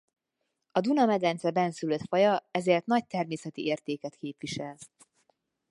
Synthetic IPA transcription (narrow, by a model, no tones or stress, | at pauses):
ɒd̪unɒmɛd̪ɛnt̪sɛbɛnsyløt̪fɒjɒɛzeːrt̪nɒc̚t̪ɛrmeːsɛt̪iʔeːrt̪eːkɛt̪keːpʋiʃɛl